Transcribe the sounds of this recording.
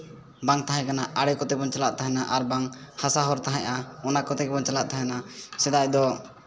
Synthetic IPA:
baŋt̪aɦãkanaʔaɽɛkɔt̪ɛbɔnt͡ʃala̰ʔ̚t̪aɦɛnaʔaɾbaŋhasaɦɔɾt̪aɦãʔaɔnakɔt̪ɛbɔnt͡ʃalaʔt̪aɦɛnasɛd̪aʔd̪ɔ

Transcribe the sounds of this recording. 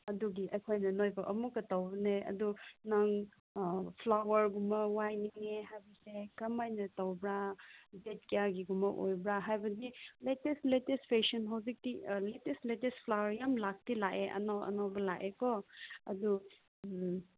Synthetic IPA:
ɐduɡiʔɐjkʰojnɐnojbɐʔɐmukːɐtawbɐneɐ̰dunɐŋ | pʰlawɐɾɡumɐwajniŋeɦajbɐsekɐmajnɐtɐwbɾadet̚kijaɡiɡumɐʔojbɾaɦajbɐdiletestletestpʰesɔnɦawzik̚tiletestletestpʰlawɐɾjamlak̚tilaʔeʔɐ̰nawɐ̰nawbɐlaʔekɔɐ̰du

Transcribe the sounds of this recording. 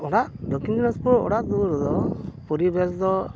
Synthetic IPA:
ɔɽaʔd̪ɔkind͡ʒ̪inɔspɔɔ̰ɽaʔd̪uɾɔd̪ɔpɔɾibɛsd̪ɔ

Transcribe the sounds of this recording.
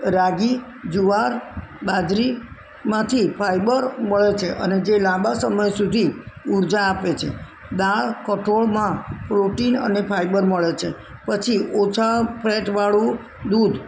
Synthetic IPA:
ɾaɡi | d͡ʒuaɾbad͡ʒɾi | mãt̪ʰipʰajbəɾməɭet͡ʃʰeʔəned͡ʒelãbasəməjsud̪ʱiuɾd͡ʒaːpet͡ʃʰḛ | d̪aɭkəʈʰoɭmãpɾoʈinə̰nepʰajbəɾməɭet͡ʃʰe | pət͡ʃʰiʔot͡ʃʰapʰɾeʈʋaɭũ | d̪ud̪ʱ

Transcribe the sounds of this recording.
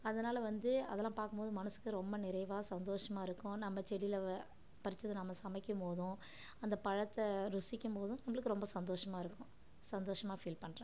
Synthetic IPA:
ɐðɐnaːlɐʋɐnd̪ɯɐðɛlːãːpaːɾkɯmpoːðɯmɐnɐsɯ̥kːɯɾɔmbɐnɪɾɐɪʋaːsɐnd̪oːʂɐmaːɪɾɯkːʊ̃nɐmːɐt͡ʃɛɽɪlɐ | pɐɾɪt͡ʃːɐðɯnɐmːɐsɐmɐɪkʲːɯmpoːðʊ̃ | ɐnd̪ɐpɐɻɐt̪ːɐɾʊsɪkʲːɯmpoːðʊ̃nɐmːɐɭɯkːɯɾɔmbɐsɐnd̪oːʂɐmaːɪɾɯkːʊ̃ | sɐnd̪oːʂɐmaːfiːlpɐɳːɾẽː

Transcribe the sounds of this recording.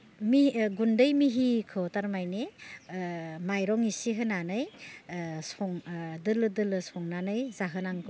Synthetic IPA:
miɡundɯjmiɦikʰɯtaɾmajne | majɾɔŋisiɦɯnanɯj | sɔŋdɯlɯdɯlɯsɔŋnanɯjzaɦɯnaŋkʰɯ

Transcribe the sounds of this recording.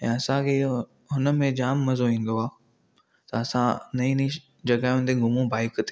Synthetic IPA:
ɛ̰̃ːɐsãkʰeː | ɦʊnə̆mẽd͡ʑaːmːɐzoĩːnd̪oaː | t̪ɐɐsãnɐĩni | d͡ʑɐɡaːj̃ʊ̃nd̪eɡʱʊmũbaːɪkt̪e̥

